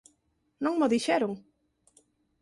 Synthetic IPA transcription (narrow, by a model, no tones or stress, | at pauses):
nõŋmoðiʃɛɾʊŋ